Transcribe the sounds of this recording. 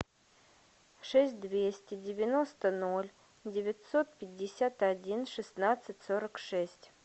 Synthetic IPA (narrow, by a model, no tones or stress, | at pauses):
ʂɛsʲt̚ʲd̪vʲesʲtʲɪdʲɪvʲɪno̞st̪ənolʲ | dʲɪvʲɪtʲso̞t̪̚pʲɪdʲːɪsʲat̪ɐdʲinʂɨsnat̪sɨtʲsoɾəkʂɛsʲtʲ